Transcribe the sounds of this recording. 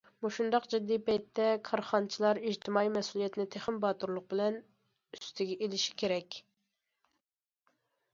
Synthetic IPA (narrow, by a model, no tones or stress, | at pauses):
muʃund̪ɑqd͡ʒid̪ːipɛjt̪ʰːɛkʰɑɾχɑnt͡ʃʰilˠɑɾiʒt̪ʰɪmɑːijmɛsulˠijɛt̪nɪt̪ʰeχɪmbɑt̪uɾlˠʊq̚bɪlɛn | yst̪ʰɪɡʲɛʔelɪʃi̥kʲʰeɾɛkʲ